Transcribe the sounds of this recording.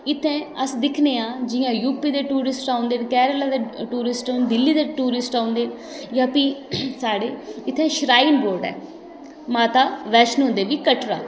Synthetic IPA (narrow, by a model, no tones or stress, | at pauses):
ɪt̪ʰːẽːəsd̪ɪkʰneːãːd͡ʒɪjãːjuːpiːd̪eːʈuːɾɪsʈaːʊ̃nd̪eːnkɛːɾəlaːd̪eːʈuːɾɪsʈad̪ɪlːiːd̪eːʈuːɾɪsʈaːʊ̃nd̪eː | jãːpiːsaːɽeːɪt̪ʰːẽːʃɾaːinboːɾɖɛ̰ː | maːt̪aːʋɛːʃənɦʊ̃nd̪eːʋiːkəʈɾa̰ː